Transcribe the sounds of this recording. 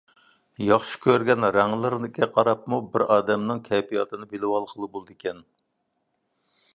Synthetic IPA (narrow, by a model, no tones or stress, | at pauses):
jɑχʃi̥kʲøɾɡʲɛnɾæŋlˠɨɾnɪkʲɛqʰɑɾɑp̚mubɪɾɑːd̪ɛmnɨŋkʲʰɛpʰijɑ̰t̪ʰɨnɨbelɪwɑlˠqʰəlˠɨbolˠɨd̪ɪkʲɛn